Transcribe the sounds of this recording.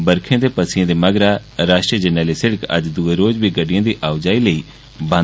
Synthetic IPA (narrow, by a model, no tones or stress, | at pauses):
bəɾkʰẽːd̪eːpəsɪjãːd̪eːməɡɾaːɾaːʃʈɾiəd͡ʒənəːleːsɪɽəkə̰d͡ʒd̪ueːɾoːd͡ʒbiːɡəɖɪjãːd̪iːʔaːʊd͡ʒaːiːləiː | bə̃